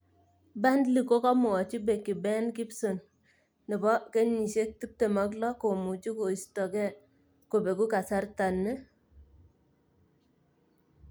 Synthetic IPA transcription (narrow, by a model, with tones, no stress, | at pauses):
ba˦ndli˨ko˦kɔ˦mʊ˨ɔ˨t͡ʃi˦be˨ki˨bɛ˦nki˦pso˨nː | ɪ˨bɔ˦ke˦ɲi˨ʃe˦k̚ti˦p̚te˨ma˦klɔ˦ko˨mu˨t͡ʃi˦ko˨i˨stɔ˨kɛ˦˨ | ko˨be˨ku˦ka˨sa˦ɾta˨nːɛ˦